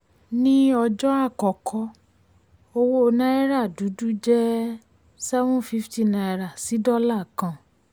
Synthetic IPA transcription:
nĩ˦ɔ˧d͡ʒɔ˦a˦˨kɔ˨kʰɔ˧˦ | o˧wo˦˧nã˦i˦ɾa˦˨du˨˦du˦d͡ʒɛ˦ | sɛ˦vɔ̃˦fi˦fti˦˨na˧i˧ɾa˨si˨˦dɔ˦la˦˨kã˧

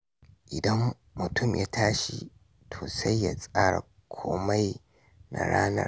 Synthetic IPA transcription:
ʔɪ˨dɐ˦m | mʊ˨tʰʊ˦˨mjaː˦tʰaː˦ʃi˦ | tʰoː˨sa˦jːaː˦sʼaː˦ɽa̰˨ | kʷʰoː˦ma˦j | na˨ɽaː˦nɐ˨r

